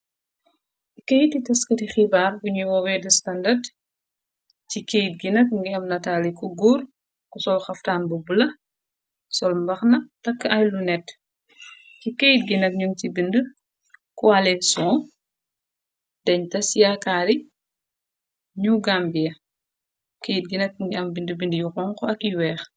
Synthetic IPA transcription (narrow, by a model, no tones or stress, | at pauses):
kejtːitɐskɐtixibaːrbuɲuwɔwɛdɐstɐndɐd | ccikejt̚ɡinɐk̚ŋɡiɐmnɐtaːlikuɡuːr | kusɔlxɐftaːnbubulɐ | sɔlmbɐxnɐtɐkːɐjlunɛt | kikejt̚ɡinɐk̚ɲuŋcibində | kɔalɛsɔ | d̥ɛɲtɐsjakaːɾi | ɲuɡambijɐ | kejt̚ɡinɐk̚ŋɡiɐmbindəbindəjuxɔŋkɔɐkiwɛːx